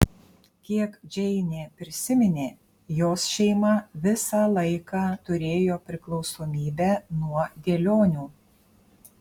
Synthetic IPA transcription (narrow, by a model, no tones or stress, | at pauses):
kʲiɛkd͡ʒʲɛɪnʲeːpʲɾʲɪsʲɪmʲɪnʲeː | joːsʃʲɛɪmɐʋʲɪsɑːlˠɐɪkɑːt̪ʊɾʲeːjoːpʲɾʲɪklˠɒʊsoːmʲiːbʲɛːnuɔd̪ʲeːlʲoːnʲuː